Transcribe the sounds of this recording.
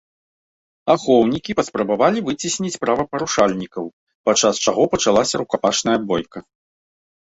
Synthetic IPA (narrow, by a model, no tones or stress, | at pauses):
axɔwnʲikʲipɐspɾɐbavalʲivɨt͡sʲisʲnʲit͡sʲpɾavɐpɐɾuʂalʲnʲikɐw | pat͡ʂast͡ʂaɣɔpɐt͡ʂalˠasʲɐɾukapat͡ʂnɐjɐbɔjkɐ